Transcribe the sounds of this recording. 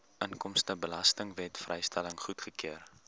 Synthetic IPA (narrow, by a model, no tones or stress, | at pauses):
ʔəŋkɔmstəbəlɐstəŋvɛtfrɛjstæləŋχutχəkiər